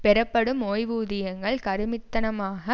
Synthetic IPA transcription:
pɛɾɐpːɐɽɯmoːjʋuːðɪjɐŋɡɐɭkɐɾɯmɪt̪ːɐnɐmaːɣɐ

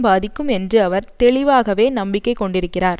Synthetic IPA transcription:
baːðɪkːɯmɛndrɯɐʋɐɾt̪ɛɭɪʋaːɣɐʋeːnɐmbɪkːɐɪkːɔɳɖɪɾɯkːɪraːɾ

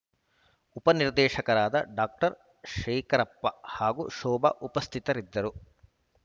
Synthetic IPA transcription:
upɐniɾd̪ɛːʃɐkɐɾaːd̪ɐ̰ɖaːk̚ʈɐɾ | ʃeːkɐɾɐpːɐhaːɡṵʃɔːbɐ̰ʔupɐst̪ʰit̪ɐɾid̪ːɐɾu

